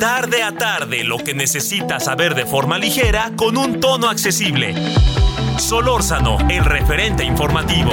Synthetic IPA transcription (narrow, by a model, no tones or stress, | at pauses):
t̪aɾðe̞at̪aɾðe̞lo̞ke̞ne̞se̞sit̪asaβe̞ɾðe̞fo̞ɾmalixeɾako̞nunt̪o̞no̞akse̞siβle̞̰ | so̞lo̞ɾsano̞̰elre̞fe̞ɾe̞nt̪e̞iɱfo̞ɾmat̪iβo